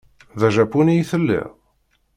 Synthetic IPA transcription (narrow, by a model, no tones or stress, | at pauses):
ðæʒæpunijθəlːḭʁ